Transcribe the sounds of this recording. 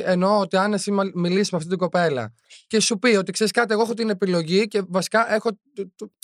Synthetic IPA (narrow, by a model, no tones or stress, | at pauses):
e̞no̞ot̪iɐnesimmilissmɐft̪it̪iɡo̞pe̞lɐ̰ | ce̞supio̞t̪ikseɾiskɐt̪ieɣoexot̪ine̞pilo̞ʝice̞vɐsi̥kɐʔe̞xo̞